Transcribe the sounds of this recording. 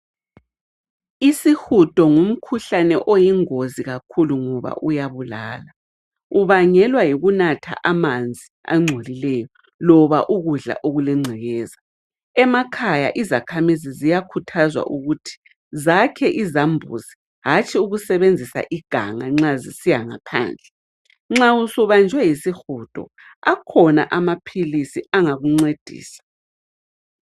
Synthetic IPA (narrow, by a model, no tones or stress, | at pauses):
isixud̥ʱʼɔŋum̩kʰuɬanɛʔojiŋoziɣakʰuluŋɔβa̰ʔujaβulaːla | uβaŋɛlwajiɣunatʰa̰ʔamand͡zʱia̰ŋ͡ǀʱolilɛjɔ | lɔβaʔuɣuɮa̰ʔoɣulɛŋ͡ǀʱɛɣɛːza | ɛmakʰaja̰ʔizakʰamizizijakʰutʰazwa̰ʔuɣutʰi̥ | zakʰɛʔizambʱṵzi̥ | ɦat͡ʃʼʰiuɣusɛβend͡zʱisa̰ʔiɡ̥ʱa̰ŋaŋ͡ǁazisijaŋapʰa̰ːnd͡ɮʱɛ | ŋ͡ǁausuβand͡ʒʱwɛjisixud̥ʱʼɔ̰ | akʰɔna̰ʔamapʰilisiaŋaɣuŋ͡ǀed̥ʱḭːsḁ